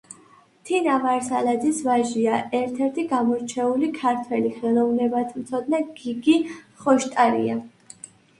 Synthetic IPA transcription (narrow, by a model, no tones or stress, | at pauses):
t̪ʰinamaɾsalad̪isvaʒiaʔɛɾt̪ʰɛɾt̪ʰiɡamɔɾt͡ʃʰɛulikʰaɾt̪ʰwɛliχɛlˠɔvnɛbat̪ʰmt̪sʰɔd̪naɡ̥iɡiχɔʃt̪ʼaɾḭa